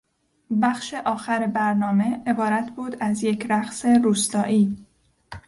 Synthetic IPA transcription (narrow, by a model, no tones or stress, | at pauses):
bæχʃe̞ʔɒːxæɾebæɾnɒːme̞ebɒːɾæt̪ʰbuːd̪æzje̞cʰɾæχse̞ɾuːst̪ɒːʔiː